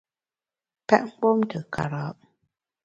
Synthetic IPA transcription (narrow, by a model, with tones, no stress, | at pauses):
pɛ˦ʔŋ̩˦k͡po˦mtə˨kʰa̰˨ɾɔ˨˦ʔ